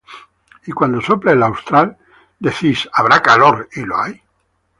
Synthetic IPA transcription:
ikwand̪o̞soplelawst̪ɾal | d̪eθisaβ̞ɾakaloɾiloaj

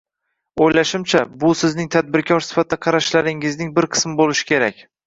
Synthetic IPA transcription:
ojlaʃɪmt͡ʃʰabʊsɪznɪŋt̪ʰad̪̚bɪɾkʲʰɒɾsɪ̥fat̪̚d̪aqʰɑɾaʃlaɾɪŋɪznɪŋbɪɾqʰɨ̥smɪbolɪʃɪ̥kʲʰe̞ɾakʲ

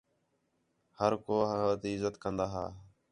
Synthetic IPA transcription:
həɾkoːɦt̪iːɪzət̪kənd̪aːɦa̰ː

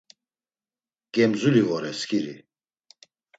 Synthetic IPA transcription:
ɡ̥ɛmzulivɔɾɛskʰʼiɾḭ

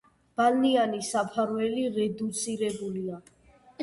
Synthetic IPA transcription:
b̥alnianisapʰaɾvɛliɾɛd̪ut̪sʼiɾɛbulia

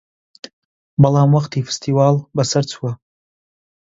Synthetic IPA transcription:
balamwaχtʰife̥stʰiwalbasɨrt͡sʰwa

